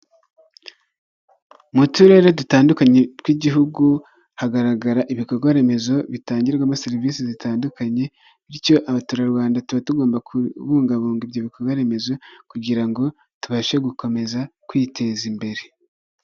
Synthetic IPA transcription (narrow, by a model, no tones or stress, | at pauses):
mutuɾe̞ɾedutaːndukaɲe̞kwiɟiɦuɡu | haɡaɾaɡaɾaʔiβiko̞ɾɡwaɾe̞me̞zo̞βitaːɲɟiɾɡwamoseɾivisizitaːndukaɲe̞ | βiɾco̞ʔaβatuːɾaɾwaːndatuβatuɡo̞ːmbakʰuβuːŋɡaβuːŋɡibjoːβiko̞ɾɡwaɾe̞me̞zo̞kuɟiɾaŋɡo̞ | tuβaʃeɡuko̞me̞zakwiːtʰe̞zimbe̞ɾe̞